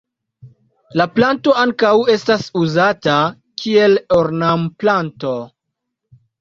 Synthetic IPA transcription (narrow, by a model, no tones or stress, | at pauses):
laplanto̞aŋkawe̞stasuzata | kʰie̞loɾnamplanto̞